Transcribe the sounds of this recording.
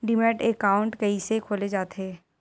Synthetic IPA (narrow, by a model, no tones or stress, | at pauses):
ɖɪmnəʈekaːʊ̃ɳʈkɐisekʰoːled͡ʒaːt̪eː